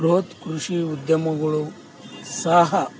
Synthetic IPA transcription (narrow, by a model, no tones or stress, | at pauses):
ɾoːt̪kɾuʂiud̪jɐmɐɡɐɭu | saːɦɐ